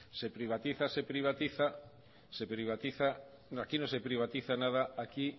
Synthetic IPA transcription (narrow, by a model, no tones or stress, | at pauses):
sepɾiβ̞at̪iθasepɾiβ̞at̪iθa | sepɾiβ̞at̪iθa | akinõsepɾiβat̪iθanaðaaki